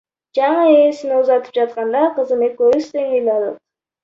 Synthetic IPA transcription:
d͡ʒɑɴɯesinuzɑt̪ɯ̥p̚d͡ʒɑt̪̚qɑnd̪ɑqɯzɯmekøst̪eŋeld̪ɑlɯ̰t̪

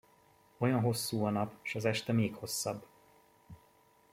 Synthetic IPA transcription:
o̞jɒnɦo̞sːuːɒnɒpʃɒzɛʃt̪ɛmeːkho̞sːɒbː

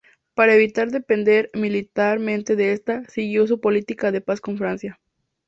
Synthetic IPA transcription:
paɾaeβit̪aɾðe̞pe̞nd̪e̞ɾmilit̪aɾmẽ̞nt̪e̞ðeest̪asiɣjo̞s̬upo̞lit̪ikaðe̞pasko̞ɱfɾansja

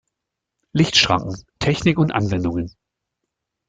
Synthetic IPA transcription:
lɪçtʃʁ̥a̰ŋkŋ̩tʰɛçnɪkʊntʔa̰nvɛndʊŋən

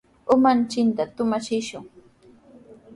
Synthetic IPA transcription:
ʊmant͡ʃɪnt̪at̪ʊmat͡ʃɪʃʊŋ

